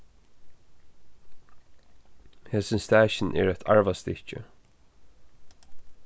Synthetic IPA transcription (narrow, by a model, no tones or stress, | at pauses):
heːsɪnst̪æːɕɪnʔɛ̰ːɹɛt̪ʰa̰ɹvast̪ɪht͡ʃə̰